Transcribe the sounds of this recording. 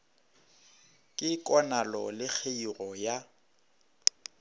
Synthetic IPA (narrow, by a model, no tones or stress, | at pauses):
kʼɪkʼɔnalɔlɪk͡xʰeirɔja